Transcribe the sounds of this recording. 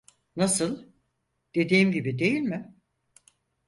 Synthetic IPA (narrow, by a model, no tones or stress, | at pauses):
nasɯlˠ | d̪̥e̞d̪iːmɟibid̪e̞jilʲmɪ